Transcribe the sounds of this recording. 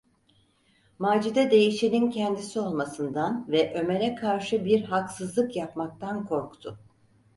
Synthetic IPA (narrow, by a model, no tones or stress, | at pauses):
maːd͡ʒid̪ɛd̪e̞jiʃenincʰɛnd̪isio̞lˠmasɯnd̪anvɛʔø̞me̞ɾɛkʰaɾʃɯbiɾɦaksɯzlˠɯkjapmak̚t̪ʰankʰo̞ɾkt̪ʰʊ